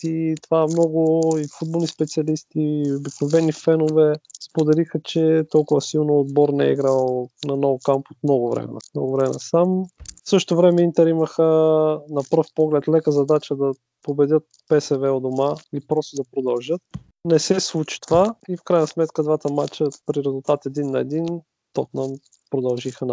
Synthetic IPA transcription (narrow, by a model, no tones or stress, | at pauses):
it̪ovamnɔɡʊifud̪̚bolˠnispɛt̪siɐlist̪iobiknovɛnifɛnovɛspod̪ɛlixət͡ʃɛt̪ɔlˠkʊvɐsilˠnoːd̪bɔɾnɛ̰ḭɡɾalˠnɐnɔvkampot̪mnɔɡʊvɾɛ̰mɛ̰nnɔɡʊvɾɛmɛnə̰samfsɤʃt̪ovɾɛmɛint̪ɛɾiməxənɐpəɾfpɔɡlɛt̪lɛkəzɐd̪at͡ʃəd̪ɐ | pobɛd̪ʲət̪̚ | pɛsɛvɛod̪omailipɾɔst̪od̪ɐpɾod̪ɐlˠʒɤt̪̚ | nɛsɛslˠut͡ʃi̥t̪ovaifkɾajnəsmɛt̪kəd̪vat̪əmat͡ʃəpɾiɾɛzulˠt̪at̪ɛd̪inːɐɛd̪in | t̪ɔknam | pɾod̪ɐlˠʒixən